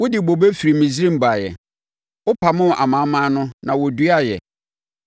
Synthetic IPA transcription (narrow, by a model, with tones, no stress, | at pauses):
wʊ˦dɪ˨bo˨be˦fi˨ɾi˨mĩ˨sɾĩ˦m̩˨ba˨jɛ̰˨ | ʊ˦pʰa˨mʊ̃˦˨ʔa̰˨mã˨˦mã˦nʊ̃˦nã˨wɔ˨du˦a˦jɛ̰˨